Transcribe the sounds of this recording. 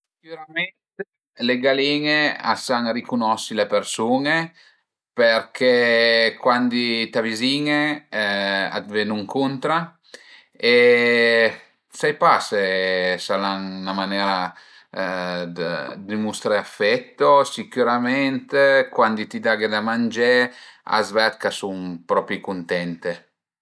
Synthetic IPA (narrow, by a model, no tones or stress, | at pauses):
si̥kuɾamɛnt̪e | leɡaliːŋea̰saŋrikunɔsilepersuːne | perkʰekwand̪it̪aviziːŋe | a̰d̪vɛnuŋkunt̪ɾa | e | sajpasesalaŋnamanɛɾa | d̪əd̪imust̪ɾeafːɛt̪ːosikjuɾamɛnt̪kwand̪it̪id̪aɡed̪amand͡ʒea̰zvɛt̪̚kasuŋpɾɔpɾikunt̪ɛnt̪e